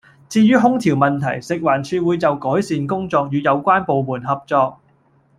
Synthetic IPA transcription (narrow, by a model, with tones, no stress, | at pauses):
t͡siː˧jyː˥ɦʊ˥ŋt̪ʰiː˨˩wmɐ˨nt̪ʰɐ˨˩jsɪ˨k̚waː˨˩nt͡ʃʰyː˧wuː˨˧jt͡sɐ˨wkɔː˨˥jsiː˨nkʊ˥ŋt͡sɔː˧k̚jyː˨˧jɐ˨˧wkʷaː˥npo˨wmuː˨˩nɦɐ˨p̚t͡sɔː˧k̚